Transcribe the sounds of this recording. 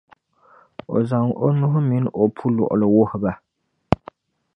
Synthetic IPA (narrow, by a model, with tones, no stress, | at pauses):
o̰˨za˨ŋʔo˦nʊ˦ɦʊ˦mi˨˦n˦ʔo˨pʰu˦lɔ̰˨ʔʊ˨lɨ˨wʊ˦hʊ˨ba˨